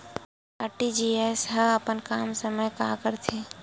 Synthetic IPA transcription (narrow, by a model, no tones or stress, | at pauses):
aʈid͡ʒiesɦəəpənkaːmsəməjka̰ːkəɾt̪ʰeː